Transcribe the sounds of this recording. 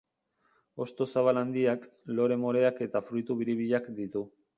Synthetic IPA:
o̞st̪o̞saβ̞aland̪iaklo̞ɾe̞mo̞ɾe̞ake̞t̪afɾujt̪uβiɾiβ̞iʎakd̪it̪u

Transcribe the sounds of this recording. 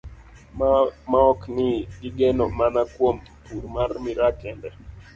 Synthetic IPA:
maɔknɪɡɪɡɛnɔmanakwom | purmarmiɾakɛndɛ

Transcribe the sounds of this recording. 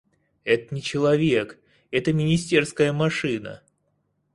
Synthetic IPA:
ɛt̪ənʲɪt͡ɕɪlˠɐvʲek | ɛt̪əmʲɪnʲɪsʲtʲe̞rskəjəmɐʂɨnə̰

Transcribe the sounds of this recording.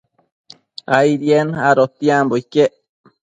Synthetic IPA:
ajɾjenaɾot̪iambojkeʔ

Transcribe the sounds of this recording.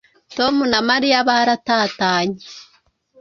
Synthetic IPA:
tomunamaɾiaβaɾataːtaːɲe̥

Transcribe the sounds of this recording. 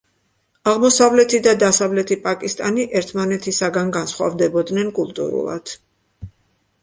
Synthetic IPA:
aʁmɔsavlɛt̪ʰid̪ad̪asavlɛt̪ʰipʼakʼist̪ʼaniʔɛɾt̪ʰmanɛt̪ʰisaɡanɡansχwa̰vd̪ɛbɔd̪nɛnkʼulˠt̪ʼṵɾṵlˠa̰d̪̥

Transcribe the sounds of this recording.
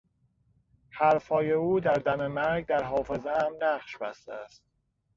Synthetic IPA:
hæɾfhɒːje̞uːd̪æɾd̪æme̞mæɾɡd̪æɾɦɒːfe̞zeæmnæɢʃbæst̪eæst̪̚

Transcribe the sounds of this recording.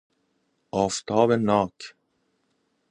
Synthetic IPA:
ɑːft̪ʰɑːbənːɑːk

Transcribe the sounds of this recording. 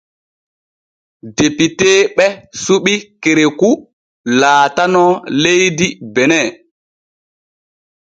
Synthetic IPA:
depiteːɓɛsuɓikeɾeku | laːtanɔlejdibɛnɛ

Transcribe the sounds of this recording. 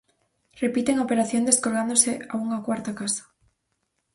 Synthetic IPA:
repit̪eŋaopeɾaθjond̪eskoɾɣand̪oseauŋakwaɾt̪akasḁ

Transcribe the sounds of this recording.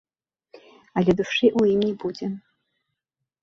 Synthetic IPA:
alʲɛd̪uʂɨʔujimnʲɛbud͡zʲɛ

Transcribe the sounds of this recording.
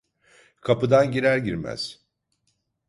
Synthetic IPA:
kʰapɯd̪anɟiɾæɾɟiɾmæ̰z̥

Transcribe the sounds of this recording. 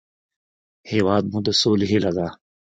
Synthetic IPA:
heːwaːd̪̚mũd̪ɐsoːliɦilɐɡaː

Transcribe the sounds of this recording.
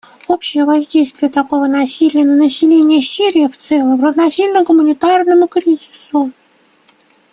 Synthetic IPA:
opɕɪjəvɐzʲdʲejst̪vʲɪjət̪ɐko̞vənɐsʲilʲɪjənənəsʲɪlʲenʲɪjəsʲiɾʲɪjəft̪sɛlˠəmrəvnɐsʲilʲnəɡʊmʊnʲɪt̪arnəmʊkɾʲizʲɪsʊ

